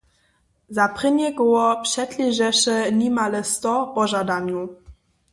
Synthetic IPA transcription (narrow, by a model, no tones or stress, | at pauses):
zapʁɘnɛɡɔwɔpʂɛtlʲiʒɛʂɛnimalɛst̪ɔpɔʒad̪aɲu